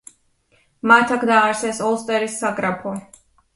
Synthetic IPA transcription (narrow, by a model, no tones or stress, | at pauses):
mat̪ʰakʰd̪aaɾsɛsɔlˠst̪ʼɛɾisːaɡɾapʰɔ